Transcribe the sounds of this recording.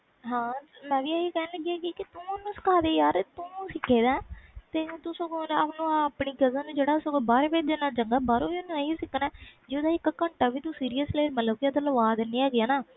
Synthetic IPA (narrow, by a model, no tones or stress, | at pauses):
ɦãːmɛ̃ːʋiːəiːkɛːnləɡiaːɡiːkɪt̪ʊːonːũːsɪ̥kʰaːd̪eːjaːɾt̪ʊ̃sɪkʰːeːd̪aːt̪ẽːt̪ʊsõːkonaːpnũːaːpɳiːɡəzãːnũːd͡ʒeːɽaːsokobaːɾepeːd̪enaːt͡ʃəŋɡaːbaːɾõːiːonːũːeisɪkːnɛːd͡ʒeːd̪aːɪkːkəɳʈaːʋiːt̪ũːsiːɾijəsleːmət̪ləbkɪət̪ələʋaːd̪eniːaːɡɪjaːnaː